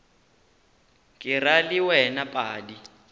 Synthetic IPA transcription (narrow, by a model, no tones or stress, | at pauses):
kʼɪraliwɛnapʼaːdi